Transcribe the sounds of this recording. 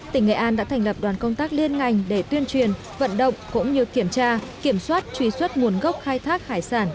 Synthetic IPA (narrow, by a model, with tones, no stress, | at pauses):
t̪ï˧˩ŋ̟ŋḛ˧˨ʔaː˧nɗa̰ː˧˥t̪ʰjŋ̟lə˨˩p̚ɗwaː˨˩nkə˧wŋ͡mt̪aː˦˥k̚li˧ənŋa˨˩jŋ̟ɗe˧˩t̪wi˧ənt͡ɕwi˨˩ən | və̰˧˨nɗə̰˧˨wŋ͡mkʊ̰˧˥ŋ͡mɲɨ˧ki˧˩əmt͡ɕaː˧ki˧˩əmswaː˦˥t̚t͡ɕwi˧˩swə˦˥t̚mu˨˩ənɣə˦˥wk͡p̚xaː˧jt̪ʰaː˦˥k̚haː˧˩jsaː˧˩n